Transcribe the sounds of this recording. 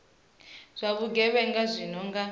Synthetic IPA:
z̥ʷaβuɡɛβɛŋɡazʷinɔŋɡa

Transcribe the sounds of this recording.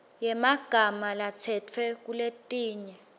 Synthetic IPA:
jɛmaɡ̥ʱamalat͡sʰɛtʰwɛk̬uletʼiːɲɛ

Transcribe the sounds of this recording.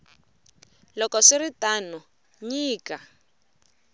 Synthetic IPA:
lɔkɔsiritanɔ | ɲiːka

